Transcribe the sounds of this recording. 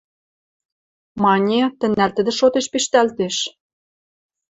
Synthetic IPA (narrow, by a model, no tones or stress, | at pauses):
mɑnʲet̪ə̆nːært̪ə̆d̪ə̆ʃot̪eʃpiʃt̪ælt̪eʃ